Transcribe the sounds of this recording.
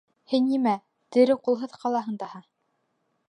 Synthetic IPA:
hɘnːimæ | t̪ɘ̆ɾɘqulˠɦɤðqɑlˠɑɦɤ̆nd̪ɑhɑ

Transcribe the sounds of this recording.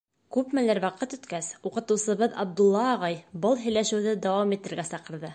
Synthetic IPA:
kʉpmælæɾwɑqɤt̪ɵ̆t̪kæsuqɤ̆t̪ɤ̆wsɤ̆βɤðɑb̚d̪ulˠːɑːʁɑjbɤlˠɦɘ̆jlæʃɘ̆wðɘd̪æwɑmit̪ɘ̆ɾɡæsɑqɤ̆ɾðɤ

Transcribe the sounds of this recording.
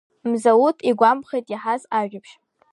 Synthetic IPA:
mzawutʰiɡʷampχejtʼjiħazaʒᶣapʰʃ

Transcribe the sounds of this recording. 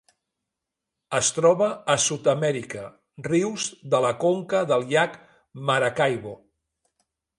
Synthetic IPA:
əst̪ɾɔβ̞əːsut̪əmɛɾikə | riwzðələkoŋkəðəlˠʎak | məɾakajβo

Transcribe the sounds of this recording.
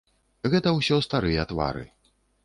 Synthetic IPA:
ɣɛt̪ɐwsʲɔst̪aɾɨjɐːt̪va̰ɾɨ̰

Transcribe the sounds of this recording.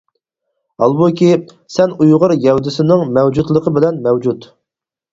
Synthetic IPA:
ɑlˠbukʲi | sɛnujʁʊɾjɛhud̪ɪsɪnɪŋmɛwd͡ʒut̪lˠəqʰəbɪlɛnmɛwd͡ʒut̪

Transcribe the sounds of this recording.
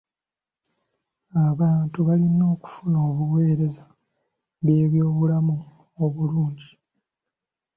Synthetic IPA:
aβaːntuβalino̞ːku̥funo̞ːβuwe̞ːɾe̞za | βje̞ːβjo̞ːβulamu | oβuluːɲɟi

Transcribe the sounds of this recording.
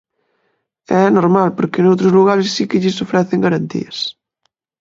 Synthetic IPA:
ɛɛnoɾmalpoɾkenowt̪ɾozluɣ̞aɾesːikeʎisofɾɛθeŋɡaɾant̪ḭɐs

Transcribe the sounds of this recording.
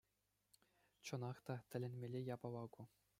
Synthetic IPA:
t͡ɕɤ̆nɑχt̪ɑt̪ʲɘ̆lʲɘ̆nʲmʲelʲejɑbɑʋɑɡu

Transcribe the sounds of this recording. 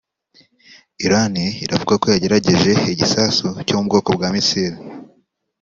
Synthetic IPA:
iɾaniiɾavuɡako̞jaɟe̞ɾaɟe̞ʒe̞iɟisasucomub̚ɡo̞ːko̞bɡaːmisiɾi

